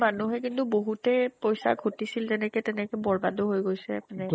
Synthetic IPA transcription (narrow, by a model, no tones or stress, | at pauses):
manuɦɛkintuboɦutɛpɔjsa̰ɡʱotisiltɛnɛtkɛtɛnɛkɔbɔɹbadoɦojɡojsɛapnɛ